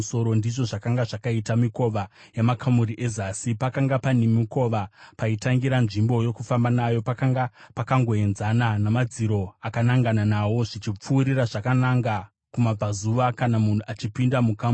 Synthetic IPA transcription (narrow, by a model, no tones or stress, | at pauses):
so̞ɾo̞ndiʐo̞ʐakaŋɡaʐakaitamiko̞ʋa | jamakʰamuɾiʔe̞zaːsipakaŋɡapanemiko̞ʋapaitaŋɡiɾanʐimbo̞jo̞kufambanajo̞pakaŋɡapakaŋɡo̞e̞nzananamad͡ziɾo̞akanaŋɡananawo̞ʐit͡ʃip͡fuːɾiraʐakanaŋɡa | kumab͡vazuʋakanamun̤uat͡ʃipindamukam